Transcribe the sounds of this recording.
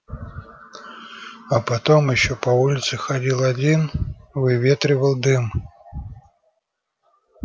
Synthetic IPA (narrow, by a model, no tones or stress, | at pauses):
ɐpɐt̪omjɪɕːopɐulʲɪt̪sɨxɐdʲilˠɐdʲinvɨvʲe̞t̪ɾʲɪvəlˠd̪ɨm